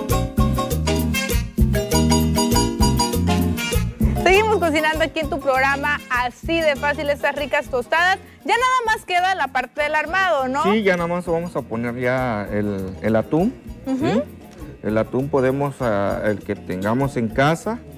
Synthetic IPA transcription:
seɣimo̞skos̬inãnd̪oakie̞nt̪upɾoɣɾamaːsiðe̞fasile̞st̪asrikast̪o̞st̪aðas | ʝanaðamaskeðalapaɾt̪eðelaɾmað̞onosiʝanaðamasβamosaponeɾʝaelḛlat̪umsi | ḛlat̪umpoðemosaḛlket̪eŋɡamose̞ŋkasa

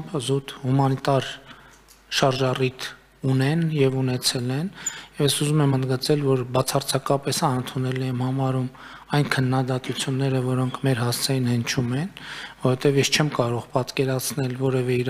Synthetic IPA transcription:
pzut̪humɑnit̪ɑɾ | ʃɑɾʒɑrit̪ʰ | unɛnjɛvunɛt͡sʰɛlɛnjɛvjɛsuzumɛmənd̪ɡət͡sɛlvɔɾbɑt͡sʰɑrt͡sʰɑkɑpɛsɑənt̪ʰunɛlijɛmhɑmɑɾum | ɑjnkʰənːɑd̪ɑt̪ut͡sʰjunːɛɾəvɔɾɔŋkʰmɛɾɦɑst͡sʰɛjinhənt͡ʃʰumɛnvɔɔvɛt̪ɛvjɛst͡ʃʰɛmkɑɾɔʁpɑt̪kɛɾɑt͡sʰnɛlvɔɾɛvɛiɾ

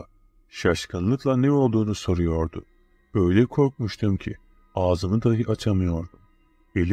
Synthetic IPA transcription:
ʃaʃkʰanlˠɯklˠanɛo̞lˠd̪uːnuso̞ɾujo̞ɾd̪ʊ | b̥ø̞jlʲɛkʰo̞ɾk̚muʃt̪ʰumcʰi | aːzɯnɯd̪aɦɯʔat͡ʃʰamɯjo̞ɾd̪um | e̞lʲi

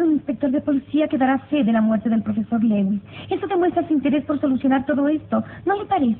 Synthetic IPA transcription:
ɾuninspek̚t̪o̞ɾðepoliθiakeðaɾaseðelamweɾt̪eðelpɾofe̞so̞ɾleɣwisest̪oðemwe̞st̪ɾaesuint̪eɾespo̞ɾso̞luθjo̞naɾt̪oðoest̪onolepaɾeθ

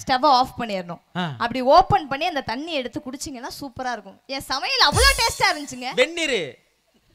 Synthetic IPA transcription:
sʈɐʋaaːfpɐɳːiɾɯnʊ̃ːɐpːɐɽioːpɐnpɐɳːiɐnd̪ɐt̪ɐɳːiɛɽɯt̪ːɯkʊɽɯt͡ʃːɯŋɡɐnːãːsuːpɐɾaːɪɾɯkːʊ̃ẽːsɐmɐjɐlɐʋːɐɭoːʈeːsʈaːɪɾɪɲd͡ʒɪt͡ʃːɯŋɡɐʋɛɳːiːɾɯ

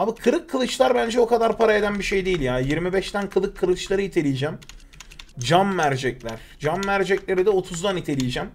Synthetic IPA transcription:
abikʰɯɾɯkʰːɯlˠɯt͡ʃlˠaɾbænd͡ʒɛo̞kʰad̪aɾpʰaɾae̞d̪ænbiʃe̞jd̪ejilʲjaːjiɾmibɛʃt̪ænkʰɯlˠɯkʰːɯɾˠɯt͡ʃlˠaɾɯit̪ʰe̞lʲijd͡ʒæm | d͡ʒamːæɾd͡ʒɛclʲæɾ̥d͡ʒamːæɾd͡ʒɛclʲe̞ɾid̪ɛo̞t̪ʰuzd̪anit̪ʰe̞lʲijd͡ʒæm

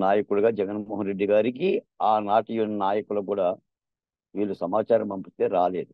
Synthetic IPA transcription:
naːjɐkuluɡaːd͡ʒɛɡɐnmɔːɦɐnɾeɖːiɡaːɾikiaːnaːʈijunːɐnaːjɐkulɐkuːɽaː | ʋiːlːusɐmaːt͡ʃaːɾɐmɐmpit̪eːɾaːle̞ːd̪u

